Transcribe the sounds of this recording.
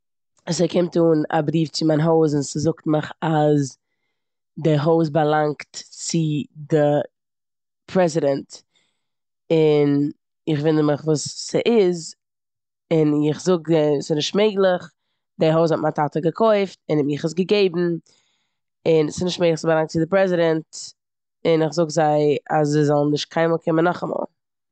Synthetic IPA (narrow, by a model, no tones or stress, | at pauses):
asekʰɪmtuːna̰bɾiːft͡sɪmaɪnɦoʊs̬ʊnsɪzʊktməχaz | dɪɦoʊsbalˠaŋktt͡sɪdɪ | pʰɾɛzɪdɛnt | ɪn | ɪχvɪndəməχvuːsːɪʔɪz | ɪnɪχzʊɡdɛsɪnɪʃtmeɪɡlˠɪχ | dɛɦoʊz̬hɔt̚matatəɡəkʰɔɪftɪnɪχɪsɡəɡeɪbm̩ | ɪnsɪ̥snɪʃtmeɪɡlˠɪχsɪzbalˠaŋk̚t͡sɪdɪpɾɛzɪdɛnt | ɪnɪχzʊɡzaɪaszezɔlˠn̩nɪʃt̚kʰaɪnmɔːlˠkʰɪmənːɔχamɔ̰ːlˠ